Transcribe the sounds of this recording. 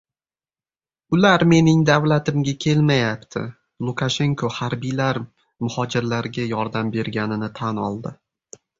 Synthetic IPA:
ʊlaɾme̞nɪŋd̪avlat̪ʰɪmɡʲakʲʰe̞lmajapt̪ʰɪ̰ | lˠukʰaʃe̞ŋkʰohaɾbijlaɾ | mʊhɒd͡ʒɪɾlaɾɡʲajɒɾd̪ambe̞ɾɡʲanɪnɪt̪ʰanɒ̰lˠd̪ɪ

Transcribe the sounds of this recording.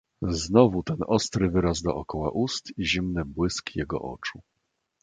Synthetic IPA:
znɔvut̪ɛnɔst̪ɾɘvɘɾazd̪ɔ̰ʔɔkɔwa̰ʔust̪iʑimnɘbwɘskjɛɡɔ̰ʔɔ̰t͡ʂu

